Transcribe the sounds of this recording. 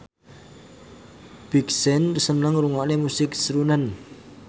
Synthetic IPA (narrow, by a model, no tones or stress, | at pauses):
b̥iksɛnrsənəŋɾuŋɔʔnemusɪksɾunan